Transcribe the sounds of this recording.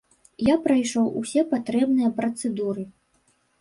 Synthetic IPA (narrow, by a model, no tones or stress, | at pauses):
japɾajʂɔwʔṵsʲɛpat̪ɾɛbnɨjɐpɾɐt̪sɛd̪uɾɨ